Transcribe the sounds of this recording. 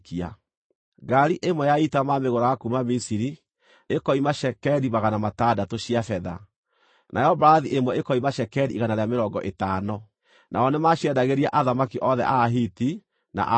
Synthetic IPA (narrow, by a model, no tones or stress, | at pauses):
kia̰ | ɡaɾiʔemwɛjaitamameɣoɾaɣakumamisiɾi | ekɔimaʃɛkɛɾimaɣanamatadatoɕiafɛða̰ | nʔa̰jɔbaɾaðiʔemwɛekɔimaʃɛkɛɾiʔːɣanaɾeameɾɔːŋɡɔʔetaːnɔ | nʔa̰ɔnemaɕiɛdaɣeɾiaʔaðamakiʔɔðɛ̰ʔaɦiti | na̰ʔ